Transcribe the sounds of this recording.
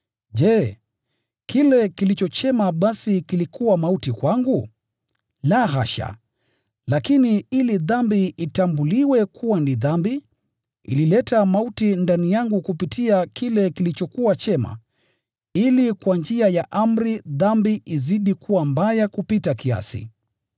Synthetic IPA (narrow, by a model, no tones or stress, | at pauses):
ʄɛ | kilɛkilit͡ʃɔt͡ʃɛmaɓasikilikʰuwamautikwaŋɡu | laɦaʃa̰ | lakiniiliðambiitambuliwɛkʰuwaniðambi | ḭlilɛtamautindanijaŋɡukupitʰiakilɛkilit͡ʃɔkuwat͡ʃɛma̰ | ilikwand͡ʒiajaʔam̩ɾiðambiʔiziɗikʰuwambajakupitakia̰sḭ